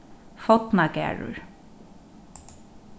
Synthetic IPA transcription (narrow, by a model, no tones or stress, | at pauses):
fɔt̪nakæ̰ːɹʊ̰ɹ